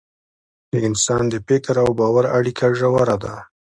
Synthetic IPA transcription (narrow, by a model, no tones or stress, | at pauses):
d̪əɪnsɑnd̪əpɪkaɾawbɑwaɾaɽikʰaʒawaɾad̪a